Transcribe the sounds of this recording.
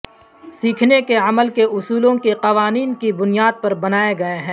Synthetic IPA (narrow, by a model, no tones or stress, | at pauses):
siːkʰnekeɐməlkeʔʊsuːlõkeqɐʋaːniːnkibʊnijaːd̪̚pɐɾbɐnaːeɡɐeɦɛ̃ː